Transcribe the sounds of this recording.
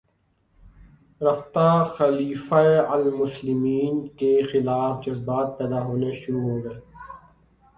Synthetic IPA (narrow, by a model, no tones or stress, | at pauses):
ɾɐft̪axɐliːfaeɐlmʊslɪmiːnkexɪlaːfd͡ʒɐzbaːt̪̚pɛːd̪aɦoːneʃʊɾuɦoːɡɐeː